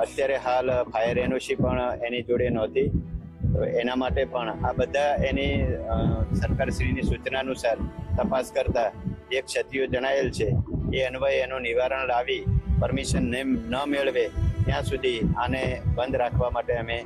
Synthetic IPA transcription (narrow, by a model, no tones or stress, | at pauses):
ət̪jaɾeɦalpʰajəɾenuʃipəɳenid͡ʒoɽenɔt̪i | enamaʈepəɳabəd̪ʱaeni | səɾkaɾʃɾinisut͡ʃnaənusaɾt̪əpaskəɾt̪aek̚t͡ʃʰət̪ijod͡ʒəɽ̃aelt͡ʃʰeeənʋəenũnɪʋaɾəɳlaʋipəɾmiʃənːəmeɭʋet̪jãsud̪ʱianebənd̪ɾakʰʋamaʈeəme